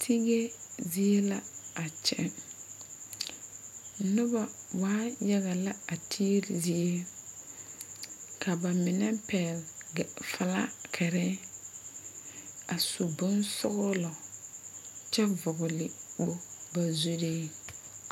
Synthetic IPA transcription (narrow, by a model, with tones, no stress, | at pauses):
tʰi˦ɣe˦zi˦e˦la˦a˨t͡ʃɛ̰˦ | nʊ˦ba˨waː˦ja˦ɣa˨la˦a˨tʰi˦lɪ̰˨zi˦e˦ | kʰa˨ba˨mɪ˨nɛ˦pɛ˨lɡfa˦˨la̰˦kʰɛ˨ɾɛ˦ | a˨su˨bʊ˦nsʊ̰˦ɣʊ˦lɔ˨ | t͡ʃɛ˦vʊ˨ɣʊ˨lɪ˨bo˦ba˨zu˦ɾeː˦